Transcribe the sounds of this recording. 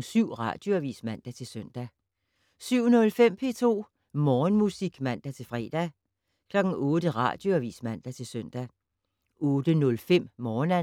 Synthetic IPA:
syʊ̰ʁɑ̰̈d̥jo̝æʋḭːsmæn̰d̥æt͡sʰe̝lsøn̰d̥æ | syʊ̰nɔ̽lfem̰pʰe̝̰t͡sʰo̝̰ː | mɒːnmusiɡ̥mæn̰d̥æt͡sʰe̝lfʁɛːd̥æ | kʰlɒ̽ɡ̥n̩ɔ̽ːd̥əʁɑ̰̈ːd̥jo̝æʋḭsmæn̰d̥æt͡sʰe̝lsœn̰d̥æ | ɔ̽ːd̥ənɔ̽lfem̰mɒːnæ

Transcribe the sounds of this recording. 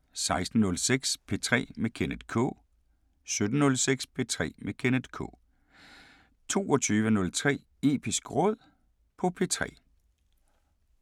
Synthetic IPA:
sɑ̈ɪsd̥n̩nɔ̽lseɡ̥spʰe̝t͡sʰʁɛ̰ːmekʰened̥kʰɔ̰̽ː | sød̥ənɔlseɡ̥spʰe̝t͡sʰʁɛ̰ːmekʰened̥ˠkʰɔ̰̽ː | t͡sʰo̝̰ːɒt͡sʰyːʋənɔ̽lt͡sʰʁɛ̰ː | e̝ːb̥isɡ̥ʁɔð̞̰ˠ | pʰɒ̽pʰe̝ːt͡sʰʁɛ̰ː

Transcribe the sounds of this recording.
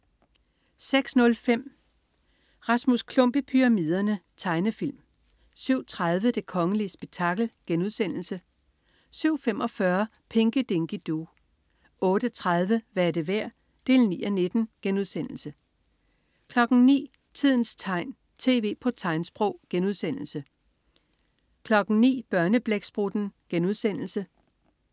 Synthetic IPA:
seɡ̥snɔ̽lfem̰ | ʁɑ̈smuskʰlɔ̽m̰b̥əpʰyʁɑ̈miðˠɐnət͡sʰɑ̈ɪnəfil̰m | syʊ̰t͡sʰʁað̞ˠʋəd̥e̝kʰɒ̽ŋəliəsb̥e̝ɡ̥̚t͡sʰɑ̈ɡ̥l̩ɡ̥enuðˠsen̰l̩sə | syʊ̰femɒ̽fɶɐ | pʰe̝ŋɡ̥əd̥e̝ŋɡ̥id̥o̝ | ɔ̽ːɾ̥ət͡sʰʁað̞ˠʋəʋæɐde̝ʋæɐ̰ | d̥e̝ːlnḭːɒne̝d̥n̩ɡ̥enuð̞̰ˠsen̰l̩sə | kʰlɒ̽ɡ̥n̩nḭː | t͡sʰið̞̰ˠn̩st͡sʰɑ̈ɪ̰n | t͡sʰe̝̰ːʋe̝̰ːpʰɒ̽t͡sʰɑ̈ɪ̰nsb̥ʁɔʊ̰ɡ̥enuð̞̰ˠsen̰l̩sə | kʰlɒ̽ɡ̥n̩nḭːb̥ɶɐnəb̥leɡ̥sb̥ʁud̥n̩ɡ̥enuðˠsen̰l̩sə

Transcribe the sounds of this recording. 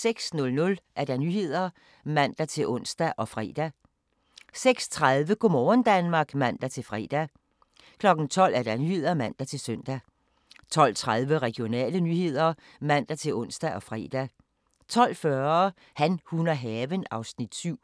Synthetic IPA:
seɡ̥snɔ̽lnɔ̽lʔæɐɾ̥ænyːhe̝ð̞̰ˠɐ | mæn̰d̥æt͡sʰe̝lʔɔ̽n̰sd̥æʔɒ̽fʁɛ̰ːd̥æ | seɡ̥st͡sʰʁaðˠʋəɡ̥omɒːnd̥ænmɑ̈ːɡ̥mæn̰d̥æt͡sʰe̝lfʁɛ̰ːd̥æ | kʰlɒ̽ɡ̥n̩t͡sʰɒ̽l̰ʔæɐd̥ænyhe̝ð̞̰ˠɐmæn̰d̥æt͡sʰe̝lsœn̰d̥æ | t͡sʰɒ̽l̰t͡sʰʁaðˠʋəʁɛɡ̥ijo̝nɛ̰ːlənyhe̝ð̞̰ˠɐ | mæn̰d̥æt͡sʰe̝lʔɔ̽n̰sd̥æʔɒ̽fʁɛ̰ːd̥æ | t͡sʰɒ̽l̰fɶɐ | hænhunɐɦɛːʋənɑ̈ʊsnid̥syʊ̰

